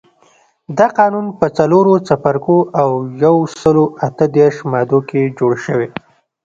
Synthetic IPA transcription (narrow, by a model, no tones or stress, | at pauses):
d̪ɑqɑnunpət͡saloɾot͡sapaɾkoʔawjawsəloʔat̪əd̪eɾʃmɑd̪oked͡ʒoɽʃəwe